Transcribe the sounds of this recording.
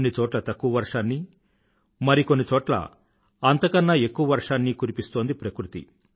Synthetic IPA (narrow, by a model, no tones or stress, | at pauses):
nːit͡ʃɔːʈlɐt̪ɐkːuʋɐʋɐɾʂaːnːi | mɐɾikonːit͡ʃɔːʈlɐ̰ | ɐnt̪ɐkɐnːɐe̞kːuʋɐʋɐɾʂaːnːikunipist̪o̞ːnd̪ipɾɐkɾut̪ḭ